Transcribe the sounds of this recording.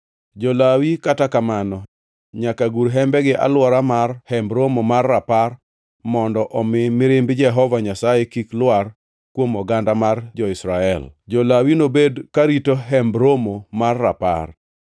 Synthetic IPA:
d͡ʒɔlawikatakamanɔ | ɲakaɡuɾɦɛmbɛɡɪʔa̰lwɔɾamarhɛmbɾomomarːapar | mɔndɔʔɔmɪmɪɾɪmbd͡ʒɛɦɔvaɲasajekiklwar | kwomɔɡandamard͡ʒɔɪsɾaɛ̰ld͡ʒɔlawinobedkaɾitoɦɛmbɾomomarːapa̰r

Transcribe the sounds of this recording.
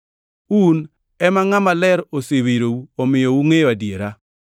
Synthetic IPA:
un | ɛmaŋamalɛɾosewiɾouomɪjouŋejoadjeɾa

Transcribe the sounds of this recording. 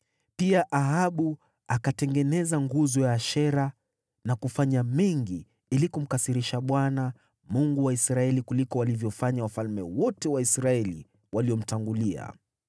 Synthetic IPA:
piaʔaɦaɓu | akatɛŋɡɛnɛzaŋɡuzɔjaʃɛɾa | nakufaɲamɛŋɡi | ilikum̩kasiɾiʃaɓwana | muŋɡuwaisɾaɛlikulikɔwalivjɔfaɲawafalmɛwɔtɛwaisɾaɛlḭ | waliɔm̩taŋɡulia̰

